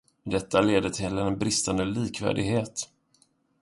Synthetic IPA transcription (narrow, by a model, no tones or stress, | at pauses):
d̪ɛt̪ːaleːd̪ət̪ʰɪlːəɛnbɾɪst̪and̪əliːkvæ̰ːɖɪ̰ɡɦeːt̪